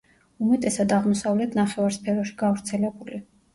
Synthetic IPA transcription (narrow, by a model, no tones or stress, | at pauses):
umɛt̪ʼɛsad̪aʁmɔsavlɛt̪ʰnaχɛvaɾspʰɛɾɔʃi̥ɡavɾt̪sʰɛlɛbuli